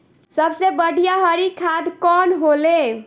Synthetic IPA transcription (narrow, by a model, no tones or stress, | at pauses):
səbsebəɽ̤ʱijaɦəɾikʰad̪kɔnɦole